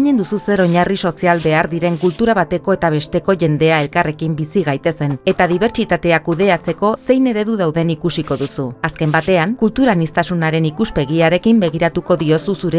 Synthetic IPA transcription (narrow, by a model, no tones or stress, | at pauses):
ɲe̞nd̪ususe̞ɾo̞ɲariso̞sialbe̞aɾðiɾe̞ŋkult̪uɾaβ̞at̪e̞ko̞e̞t̪aβ̞e̞st̪e̞ko̞ʝe̞nd̪e̞ae̞lkare̞kimbisiɣ̞ajt̪e̞se̞ne̞t̪aðiβ̞e̞ɾt͡ʃit̪at̪e̞akuðe̞at͡se̞ko̞se̞jne̞ɾe̞ðuðawðe̞nikusiko̞ðusuaske̞mbat̪e̞aŋkult̪uɾanist̪asunaɾe̞nikuspe̞ɣ̞iaɾe̞kimbe̞ɣ̞iɾat̪uko̞ðio̞susuɾe